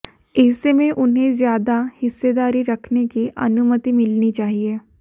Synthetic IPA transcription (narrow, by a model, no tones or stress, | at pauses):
ɛːsemẽʔʊnɦẽzjaːd̪ahɪsːed̪aːɾiɾɐkʰnekiʔɐ̰nʊmət̪imɪlnit͡ʃaːɦieː